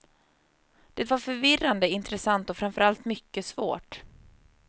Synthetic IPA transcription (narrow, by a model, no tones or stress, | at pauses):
d̪̥ɛt̪vaɾfœɾvɪrːand̪əɪnt̪ɾɛsant̪ɔfɾamfœɾalt̪mʏkːəsvo̰ːʈ